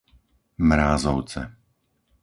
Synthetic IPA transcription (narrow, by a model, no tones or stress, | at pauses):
mɾaːzɔʊt͡sɛ̰